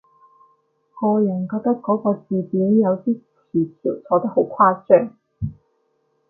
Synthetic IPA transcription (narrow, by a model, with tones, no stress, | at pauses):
ŋɔː˨˧jʊ˨˩ŋkɔː˧k̚t̪ɐ˥kːɔː˨˥kɔː˧t͡siː˨˧piː˨˥njɐ˨˧wt̪iː˥t͡sʰiː˨˩kʰiː˨˩wt͡sʰɔː˨˥t̪ɐ˥k̚ho˨˥wkʷʰwaː˥sœː˥ŋ